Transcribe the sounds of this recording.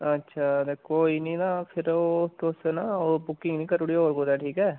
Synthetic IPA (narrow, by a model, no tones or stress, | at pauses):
ətːʃʰaːd̪eːkoːiːnĩːnaːpʰɪɾoːt̪õʊsnaːoːbʊkɪ̃ŋɡnĩːkəɾʊɽiːɦoːɾkoːd̪ɛːʈʰiːkɛː